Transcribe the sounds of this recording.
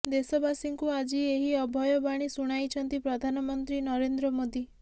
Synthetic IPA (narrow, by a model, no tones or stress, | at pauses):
d̪esɔbasiŋkuad͡ʒieɦiɔbʱɔjɔbaɽ̃isuɽ̃ajt͡ʃʰɔnt̪ipɾɔd̪ʱanɔmɔnt̪ɾinɔɾend̪ɾɔmod̪i